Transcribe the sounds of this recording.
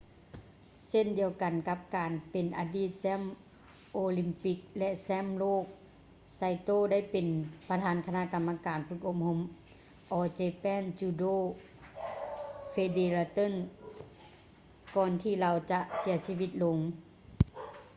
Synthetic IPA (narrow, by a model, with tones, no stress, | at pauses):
se˥˨ndi˨˧əwka˨˩nka˧p̚kaː˨˩npe˨nʔaː˨˧diː˧˥˩t̪̚sɛː˥˨m | ʔoː˧li˧mpi˧˥k̚lɛ˧˥ʔsɛː˧˥˨mloː˥˩k̚ | sa˧jt̪oː˧˨da˥˨jpe˨˩npa˧t̪ʰaː˨˦nkʰa˧na˧ʔka˨mːa˧kaː˨˩nfɯ˧˩k̚ʔo˧p̚ho˧m | ʔɔː˧t͡ɕeː˧pɛː˧˥˨nt͡ɕuː˧doː˧˥˩ | fe˧deː˧laː˧t̪ɤ˥˨n | kɔː˧nt̪ʰiː˧˩˨la˧wt͡ɕa˧ʔsi˨˩˦ɐsiː˧˥˨wi˧t̪̚lo˨˦ŋ